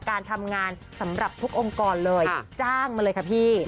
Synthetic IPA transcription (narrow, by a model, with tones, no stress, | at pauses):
kaː˧nt̪ʰa˧mŋaː˧n | sa˩˦mɾa˨˩p̚t̪ʰu˦˥k̚ʔo˧ŋkɔː˧nlɤː˧jt͡ɕaː˥˩ŋmaː˧lɤː˧jkʰa˦˥pʰiː˥˩